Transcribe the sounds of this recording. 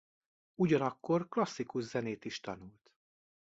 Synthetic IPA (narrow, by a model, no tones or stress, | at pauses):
uɟɒnɒkːorklɒsːikuʒzɛneːt̪iʃt̪ɒ̰nult̪